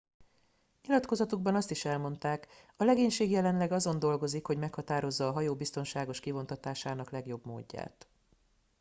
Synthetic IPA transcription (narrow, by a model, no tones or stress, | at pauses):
ɲilɒt̪ko̞zɒt̪uɡ̚bɒnɒst̪iʃɛlmo̞nt̪aːk | ɒlɛɡeːɲʃeːɡjɛlɛnlɛɡɒzo̞nd̪o̞lɡo̞zikho̞ɟmɛkhɒt̪aːɾo̞zːɒːɦɒjoːbist̪o̞nʃaːɡo̞ʃkivo̞nt̪ɒt̪aːʃaːnɒklɛɡjo̞bmo̰ːɟːa̰ːt̪